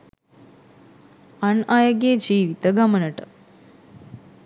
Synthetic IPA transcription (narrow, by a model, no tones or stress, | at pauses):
ɐnaːjoɡjed͡ʒiːʋit̪əɡɐmənəʈə